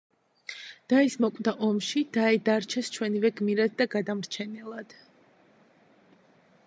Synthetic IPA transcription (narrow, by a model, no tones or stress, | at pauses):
d̪̥aismɔkʼd̪aʔɔmʃid̪̥aɛd̪aɾt͡ʃʰɛst͡ʃʰwɛnivɛɡmiɾad̪̚ːaɡad̪amɾt͡ʃʰɛnɛlˠad̪̥